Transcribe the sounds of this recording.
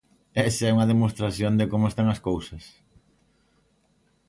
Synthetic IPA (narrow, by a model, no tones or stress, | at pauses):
ɛsɐɛuŋɐðemost̪ɾaθjõnd̪ɪkomʊest̪aŋɐskowsɐs